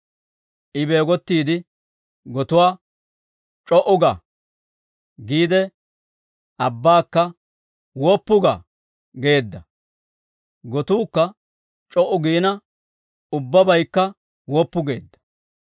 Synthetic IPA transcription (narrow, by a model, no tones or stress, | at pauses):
ʔɪbe̞ːɡɔt̪ːiːd̪ɪ | ɡɔt̪ʊwaː | t͡ʃʼɔʔʊɡɐ | ɡiːd̪ɛ | ʔɐbːaːkːɐ | wɔːpːʊɡɐ̰ | ɡe̞ːd̪ːɐ | ɡɔt̪uːkːɐ | t͡ʃʼɔʔʊɡiːnɐ | ʊbːɐbɐjkːɐ | wɔːpːʊɡe̞ːd̪ːɐ̥